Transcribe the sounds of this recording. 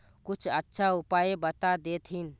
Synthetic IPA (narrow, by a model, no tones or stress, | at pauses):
kut͡ʃʰətːʃʰaupajebət̪ad̪et̪ʰɦin